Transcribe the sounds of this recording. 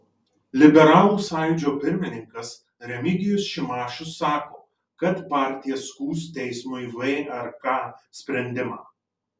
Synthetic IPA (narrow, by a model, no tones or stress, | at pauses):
lʲɪbʲɛɾɑːlˠuːsɑˑjjʊd͡ʒʲoːpʲɪɾʲmʲɪnʲɪŋkɐs | ɾʲɛmʲɪɡʲɪjʊsʃʲɪmɑːʃʊsːɑːkoː | kɐt̪pɑːɾʲt̪ʲɪjɛskuːst̪ʲɛɪsmʊɪʋeːʔɐɾkɑːsʲpʲɾʲɛnʲd̪ʲɪmɑː